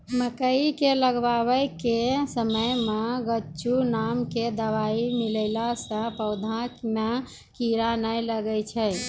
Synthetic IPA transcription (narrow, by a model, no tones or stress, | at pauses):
məkəikeləɡbaβəjkesəməjmeɡət͡ʃunamked̪əʋaimiləɪlasə̃pəʊd̪ʱãkme | kiɾanəjləɡəjt͡ʃʰɛj